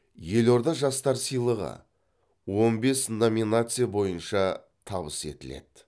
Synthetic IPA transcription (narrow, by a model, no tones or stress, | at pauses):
je̞lo̞ɾd̪ɑʒɑst̪ɑɾsijlˠəʁə̰ | wo̞nbe̞sno̞mʲinat̪sɨjabo̞jənʃɑ | t̪ʰɑβəse̞̰t̪ɪle̞̰d̪̥